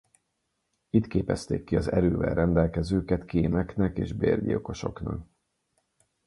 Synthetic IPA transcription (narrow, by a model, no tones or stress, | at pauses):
it̪keːpɛst̪ḛːkːiɒzɛɾøːvɛ̰lrɛnd̪ɛlkɛzøːkɛt̪keːmɛknɛkḛːʒbeːrɟḭoko̞ʃo̞knɒk